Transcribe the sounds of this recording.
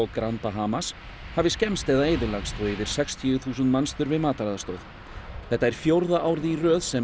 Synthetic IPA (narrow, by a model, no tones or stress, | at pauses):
ɔɣkɾantpaɦaːmas | havɪscɛmst̪ɛːðaeːjðɪlaɣst̪ɔivɪɾ̥sɛkst̪ʰiʏθuːsʏnt̪manst̪ʏɾvɪðmaːt̪aɾaðast̪oːð | θɛht̪ːaɛɾ̥fjowɾðaʔaːwɾðɪirœːðsɛ